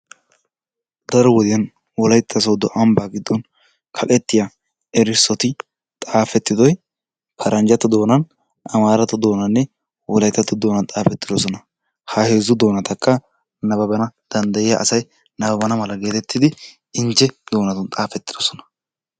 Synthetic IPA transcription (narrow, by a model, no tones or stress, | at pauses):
d̪ɐɾɔwɔd̪ɪjɐn | wɔlɐjt̪ʰːɐs̬oːd̪ɔʔɐmbaːɡɪd̪ːɔn | kʰɐkʼɛt̪ːɪja | ɛɾɪsːɔt̪ɪ | t̪ʼaːfɛt̪ːɪd̪ɔj | pʰɐɾɐnd͡ʒɐt̪ːʊd̪o̞ːnɐn | ʔɐmaːɾɐt̪ʊd̪o̞ːnɐnːɛ | wɔlɐjt̪ːɐt̪ːʊd̪oːnɐnt̪ʼaːfɛt̪ːɪd̪ɔsɔnɐ | hɐhe̞ːzʊd̪o̞ːnɐt̪ʰɐkʰːɐ | nɐbɐbɐnɐd̪̥ɐnd̪ɐjɪja̰ʔɐsɐj | nɐbɐbɐnɐmɐlɐɡe̞ːt̪ɛt̪ːɪd̪ɪ | ɪnt͡ʃːɛd̪̥o̞ːnɐt̪ʊnt̪ʼaːfɛt̪ːɪd̪̥ɔsɔ̥nɐ̥